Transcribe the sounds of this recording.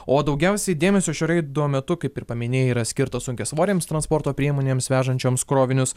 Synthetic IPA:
oːd̪ɐʊɡʲɛʊsʲɛɪd̪ʲeːmʲɛsʲoːʃʲoːɾʲɛɪd̪uɔmʲɛt̪ʊkɐɪpɪɾpɐmʲɪnʲeːjɛiːɾɐsʲkʲɪɾt̪ɐsʊŋʲkʲeːsʋoːɾʲeːmst̪ɾɐnspoːɾt̪oːpʲɾʲiɛmoːnʲeːmsʋʲæːʒɐnʲt͡ʃʲoːmskɾoːʋʲɪnʲʊs

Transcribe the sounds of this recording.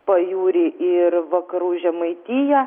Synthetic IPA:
pɐjuːɾʲiʔɪɾʋɐkɐɾuːʒʲɛmɐɪt̪ʲiːjɛ

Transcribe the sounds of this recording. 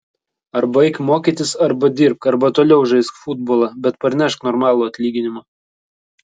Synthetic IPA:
ɐɾbɐɪkmoːkʲiːt̪ʲɪsɐɾbɐd̪ʲɪːɾp̚kɐɾbɐt̪oːlʲɛʊʒɐɪskfʊd̪boːlˠɑbʲɛt̪pɐɾʲnʲɛʃknɔːɾmɑːlˠuːɐt̪ʲlʲiːɡʲɪnʲɪmɐ

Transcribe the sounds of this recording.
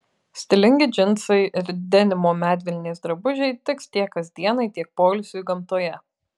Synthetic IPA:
sʲt̪ʲɪlʲɪŋʲɡʲɪd͡ʒʲɪnt̪sɐɪɪɾd̪ʲɛnʲɪmoːmʲæːd̪ʲʋʲɛlʲɪnʲeːsd̪ɾɐbʊʒʲɛɪt̪ʲɪkst̪ʲiɛkkɐzʲd̪ʲiɛnɐɪt̪ʲiɛk̚poːlʲsʲʊjʊɡɐmt̪oːjɛ

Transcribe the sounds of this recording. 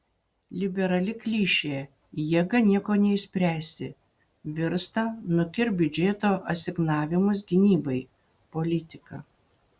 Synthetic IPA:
lʲɪbʲɛɾɐlʲɪklʲiːʃʲeː | jiɛɡɐnʲiɛkoːnʲɛɪsʲpʲɾʲæːsʲɪ | ʋʲɪɾst̪ɐnʊkʲɪɾbʲʊd͡ʒʲeːt̪oːʔɐtsʲɪɡnɑːʋʲɪmʊs̬ɡʲɪnʲiːbɐɪ | polʲɪt̪ʲɪkɐ

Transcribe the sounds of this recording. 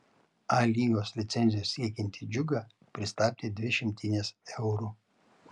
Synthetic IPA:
ɑlʲiːjoːslʲɪt̪sʲɛnʲzʲɪjoːsːʲiɛkʲɛnʲt̪ʲid͡ʒʲʊɡɑ | pʲɾʲɪst̪ɑːp̪ʲeːd̪ʲʋʲɪʃʲɪmʲt̪ʲiːnʲɛsɛʊɾu

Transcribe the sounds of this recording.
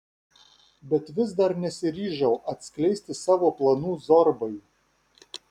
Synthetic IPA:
bʲɛt̪ʋʲɪzd̪ɐɾnʲɛsʲɪɾʲiːʒʲɛʊʔɐt̪ʲsʲklʲɛɪsʲt̪ʲɪsɑːʋoːplˠɐnuːzɔɾbɐɪ

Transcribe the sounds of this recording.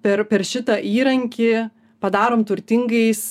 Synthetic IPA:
pʲɛɾpʲɛɾʃʲɪt̪ɐʔiːɾɐŋʲkʲɪ | pɐd̪ɑːɾoːmt̪ʊɾʲt̪ʲɪŋɡɐɪs

